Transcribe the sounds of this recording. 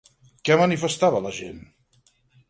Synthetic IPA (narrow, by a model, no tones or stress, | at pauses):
kɛmənifəst̪aβələʒḛn